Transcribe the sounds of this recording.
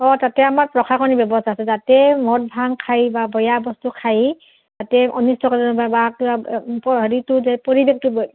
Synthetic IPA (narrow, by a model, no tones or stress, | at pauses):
ɔtatɛamaɹpɹɔkʰakʰɔnibjɔbɔstʰaːsɛzatɛmɔt̚bʱaŋkʰajbabɔjabɔstukʰaji | zatɛʔɔnistʰɔkatɔnɔbajbakibapɔɦɔɹitʊzɛpoɹibek̚tub